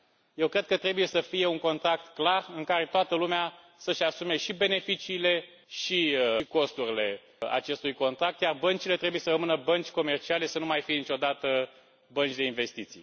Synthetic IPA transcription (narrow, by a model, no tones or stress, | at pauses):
jewkɾe̞d̪̚kət̪ɾe̞buje̞səfije̞uŋko̞nt̪ɾak̚t̪klarɨŋkaɾe̞t̪oat̪əlumea | səʃasume̞ʃibe̞nefit͡ʃiːle̞ | ʃiko̞st̪uɾile̞ | a̰t͡ʃe̞st̪ujko̞nt̪ɾak̚t̪jarbənt͡ʃile̞t̪ɾe̞buje̞sərəmɨnəbənt͡ʃʲko̞me̞rt͡ʃiale̞sənumajfijenit͡ʃo̞d̪at̪ə | bənt͡ʃʲd̪e̞inve̞st̪it̪sḭj